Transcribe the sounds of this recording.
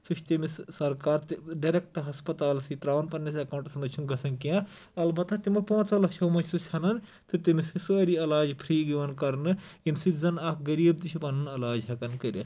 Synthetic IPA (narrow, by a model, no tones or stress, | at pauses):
sut͡ʃʰt̪imissɐɾkaːɾt̪ɖɐɾek̚ʈɦɐspɐt̪aːlsit̪ɾaːʋɐnpɐnːɐs̬ɐkaːw̃ɳʈɐsɐnd̪ɐt͡ʃʰunɡɐsɐnkiã | ɐlbɐt̪ːɐt̪imɐpõːt͡sɐlɐkt͡ʃʰɐmɐt͡ʃʰsut͡ʃʲʰɐnɐn | t̪ɨt̪imisisuɐɾiɐlaːd͡ʒpʰɾiːɡiʋɐnkɐɾnɨjinsit̪zɐnakɡɐɾiːbt̪it͡ʃʰipɐnɨnɐlaːd͡ʒɦɐkɐnkɐɾʲɐ